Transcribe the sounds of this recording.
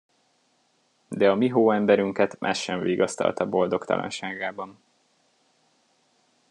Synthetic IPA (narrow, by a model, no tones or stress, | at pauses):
d̪ɛɒmiɦoːɛmbɛɾyŋkɛt̪mʔa̰ːʃɛɱviːɡɒst̪ɒ̰lt̪ɒbo̞ld̪o̞kt̪ɒ̰lʔɒ̰nʃaːɡaːbɒn